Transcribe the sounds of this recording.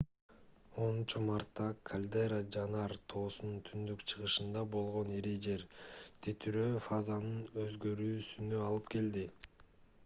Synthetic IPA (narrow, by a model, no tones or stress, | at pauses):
o̞nunt͡ʃumɑɾt̪ːɑkʰalʲd̪eɾad͡ʒɑnɑɾt̪ʰo̞ːsununt̪ʰynd̪ykt͡ʃʰɯʁɯʃɯnd̪ɑbo̞lˠʁo̞neɾed͡ʒe̞ɾt̪ʰet̪ʰyɾøfazanɯnø̞zɡø̞ɾyːsynø̞ɑlˠɯpke̞ld̪i